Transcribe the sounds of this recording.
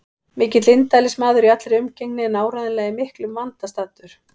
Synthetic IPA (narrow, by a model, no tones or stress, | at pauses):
mɪːcɪt̪lɪnt̪ajlɪsmaːðʏɾiat̪lɾɪʏmceŋnɪɛnaːwɾaðɪnlɛːɣaimɪhklʏmvant̪ast̪at̪ʏɾ̥